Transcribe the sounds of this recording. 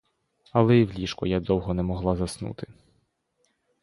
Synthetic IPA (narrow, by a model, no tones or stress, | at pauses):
ɐlˠɛiwlʲiʃkɔjad̪ɔwɦɔnɛmɔɦlˠɑzɐsnṵt̪ɪ